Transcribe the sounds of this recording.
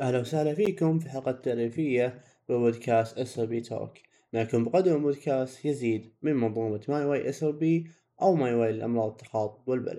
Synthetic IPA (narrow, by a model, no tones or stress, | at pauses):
ʔahlawsahlafiːkʊmfiħɑlqɑt̪ːaʕɾiːfɪjːa | b̥ɪbod̪kʰaːst̪ʔɪsobiːt̪ʰo̰k | majakuːmbɪqad̪ɪlbʊːd̪kaːst̪jɪziːd̪mɪnmɑðˤuːmat̪majwajʔɪsobiː | ʔawmajwajːɪlʔɑ̰mɾˤɑːðˤət̪ːɑ̥xɑːt̪ˤbwɪlba̰lad̪̥̚